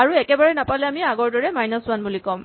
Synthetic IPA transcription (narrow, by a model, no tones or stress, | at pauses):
aɹuɛkɛbaɹɛnapalɛamiaɡɔɹdɔɹɛmajnasʊwanbulikɔm